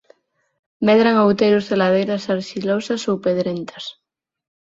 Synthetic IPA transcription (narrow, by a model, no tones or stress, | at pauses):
meðɾaŋawt̪ejɾozðelað̞ejɾasaɾʃilosasowpeðɾent̪ʰḁs